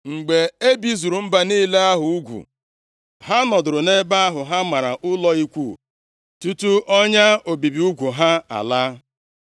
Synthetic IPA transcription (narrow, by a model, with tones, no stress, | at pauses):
ŋ͡m̩˨ɡ͡be˨e˦bi˦zu˨ɾu˨m̩˦ba˨ni˦le˦a˦ɦʊ˨u˦ɡʷṵ˨ | ɦa˦nɔ˨dʊ˨ɾʊ˨ne˦ba˦a˦ɦʊ˨ɦa˦ma˨ɾa˨ʔʊ˦lɔ˦i˦kʷu˦˨ | tu˦tu˦ʔɔ˦ɲa˦o˨bi˨bi˨˦u˦ɡʷu˨ɦa˦a̰˨la˦